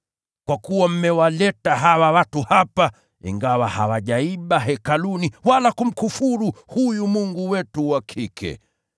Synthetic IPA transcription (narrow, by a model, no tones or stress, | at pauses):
kwakuwam̩mɛwalɛtaɦawawatuhapa | ḭŋɡawahawaʄaiɓaɦɛkaluniwalakum̩kufuɾuhujumuŋɡuwɛtuwakʰikʰɛ̰